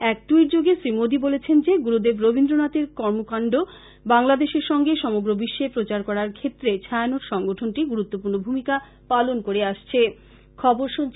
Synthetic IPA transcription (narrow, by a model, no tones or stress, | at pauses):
ɛk̚ʈuiɾd͡ʑoɡesɾimod̪ibolet͡ɕʰend͡ʑeɡuɾud̪ebɾobʱind̪ɾonat̪eɾkɔɾmokaɳɖo | baŋlad̪eʃeɾʃɔŋɡeʃɔmoɡɾobiʃːepɾot͡ɕaɾkɔɾaɾkʰet̪ːɾet͡ɕʰajanoɾʃɔŋɡoʈʰonʈiɡuɾut̪ːopuɾnobʱumika | palonkoɾeaʃt͡ɕʰe | kʰɔboɾʃunt͡ɕʰ